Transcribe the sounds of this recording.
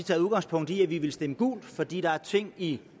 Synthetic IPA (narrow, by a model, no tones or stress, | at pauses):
it͡sʰɛ̰ːðuðˠɡ̥ɑ̈ŋspʰɔ̽ŋ̰d̥iæʋiʋe̝lsd̥eməɡ̥ṵːld̥fɒ̽d̥ḭːɾ̥ɑ̈æɐt͡sʰe̝ŋ̰i